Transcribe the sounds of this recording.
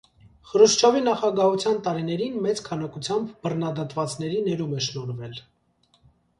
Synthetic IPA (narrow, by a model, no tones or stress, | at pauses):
χəɾuʃt͡ʃʰɔvinɑχɑɡɑɦut͡sʰjɑnt̪ɑɾinɛɾinmɛt͡skʰɑnɑkut͡sʰjɑmbbərnɑd̪ɑt̪vɑt͡snɛɾinɛɾumɛʃnɔɾvɛl